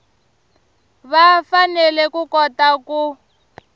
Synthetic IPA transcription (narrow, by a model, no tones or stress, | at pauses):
βafanɛlɛkukɔtaku